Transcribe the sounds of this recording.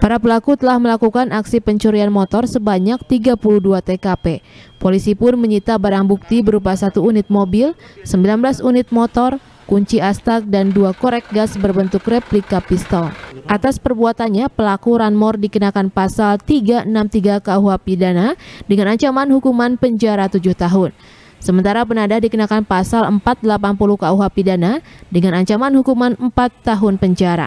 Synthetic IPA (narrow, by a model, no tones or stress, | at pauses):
paɾapəlakut̪əlahməlakukanaksipəɲt͡ʃuɾianmɔt̪ɔrsəbaɲak̚t̪iɡapuluhduat̪ekapepolisipʊnməɲit̪abaɾaŋbuk̚t̪ibəɾupasat̪uːnɪt̪̚mobɪlsəmbilanblasunɪt̪̚mɔt̪ɔr | kuɲt͡ʃiast̪ak̚danduakoɾɛk̚ɡasbərbənt̪ʊkrɛplikapist̪ɔlʔat̪aspərbuat̪anɲapəlakuɾanmɔrdikənakanpasalt̪iɡaənamt̪iɡakauɦapidanadəŋanaɲt͡ʃamanhukumanpəɲd͡ʒaɾat̪ud͡ʒʊht̪aɦʊn | səmənt̪aɾap̬ənadahdikənakanpasaləmpat̪̚dəlapanpuluhkauɦapidanadəŋanaɲt͡ʃamanhukumanəmpat̪ːaɦʊnpəɲd͡ʒaɾa̰